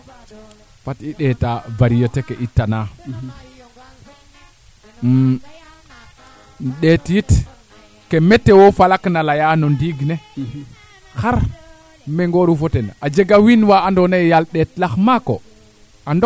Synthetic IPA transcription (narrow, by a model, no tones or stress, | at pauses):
fatiɗetavaɾijotekeʔitːana | m | ɗetjit | kemetːewofalaknalajanondiɡne | xaɾ | meŋɡoɾufotenad͡ʒeɡawinwaandonajjalɗetlaxmako | ando